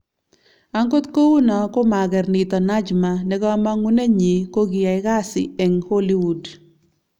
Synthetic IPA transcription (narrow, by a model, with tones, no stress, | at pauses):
a˦ŋɡo˦t̪ko˦wu˦nɔ˨ko˦ma˨ɡɛ˨rnɪ˨t̪ɔ˨na˦d͡ʒma˨nɛ˦ɡɔ˦ma˦ŋu˦ne˦ɲi˨ko˦ɡɪ˨a˨ɪ˦ɣa˦sɪ̰˨e˨ŋho˦li˦wu˨d